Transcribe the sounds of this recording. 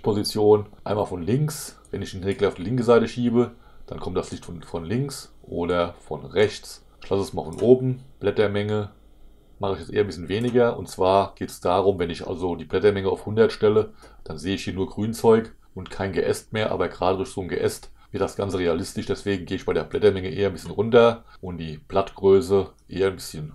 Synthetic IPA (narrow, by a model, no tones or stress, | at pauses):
pʰozit͡sjoːnʔaɪnmaːlfɔnlɪŋksvɛnɪçnʁeːɡl̩aʊfd̥iːlɪŋkəzaɪtəʃiːbə | d̥ankʰɔmtd̥aslɪçtfɔnfɔnlɪŋksʔoːdɐfɔnʁɛçt͡s | ɪçlasəsmaːlfɔnʔoːbm̩b̥lɛtɐmɛŋə | maχəɪçjɛt͡stʔḛːɐmbɪsçənveːnɪɡɐʔʊ̰ntt͡sv̥aːɐɡ̥eːtsd̥aːʁʊmvɛnɪçʔa̰lzodiːblɛtɐmɛŋəa̰ʊfhʊndɐtʃtɛləd̥anzeːəɪçhiːɐnuːɐɡʁyːnt͡sɔʏk | ʔʊntkʰaɪnɡəʔɛstmeːɐʔa̰ːbɐɡʁaːdədʊɐçz̥oːnɡə̰ʔɛstv̥ɪɐt̚d̥asɡ̥ant͡səʁealɪstɪʃd̥ɛsv̥eːɡŋ̩ɡeːɪçb̥aɪdeːɐb̥lɛtɐmɛŋəʔeːɐnmbɪsçənʁʊntɐ | ʔʊntd̥iːb̥latɡ̥ʁøːsəʔeːɐnbɪsçən